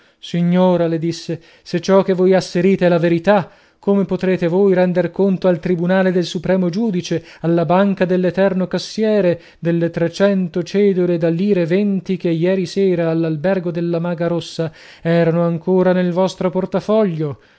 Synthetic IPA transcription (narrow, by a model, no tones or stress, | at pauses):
siɲːoːɾaled̪isːe | set͡ʃːɔk̟evojasːeɾiːt̪elaveɾit̪a | kʰːomepot̪ɾeːt̪evojɾɛnd̪erkont̪oalt̪ɾibunaːled̪elsupɾɛːmod͡ʒuːd̪it͡ʃe | alːabaŋkad̪elːet̪ɛrnokasːjɛːɾe | d̪elːet̪ɾet͡ʃɛnt̪ot͡ʃɛːd̪oled̪alːiːɾevent̪ikejɛːɾisɛːɾaːlːalbɛrɡod̪elːamaːɡaɾosːa | ɛːɾanoaŋkoːɾanelvɔst̪ɾoport̪afɔʎːo